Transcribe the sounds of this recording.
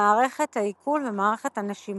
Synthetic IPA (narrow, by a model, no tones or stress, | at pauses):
aːʁe̞χethaikʰulvemaːʁeχethanaʃim